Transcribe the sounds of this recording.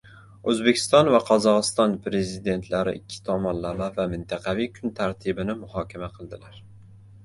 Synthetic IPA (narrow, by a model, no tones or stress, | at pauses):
ɵzbe̞kʲʰɪ̥st̪ɒnvaqʰɒzɒʁɨst̪ɒnpɾe̞zɪd̪e̞nt̪ʰlaɾɪ̰ʔɪkʲʰːɪ̥t̪ʰɒmɒnlamavamɪnt̪ʰɑqʰɑvijkʰʊnt̪ʰaɾt̪ʰɪbɪnɪmʊhɒkʲʰamaqʰɨlˠd̪ɪlaɾ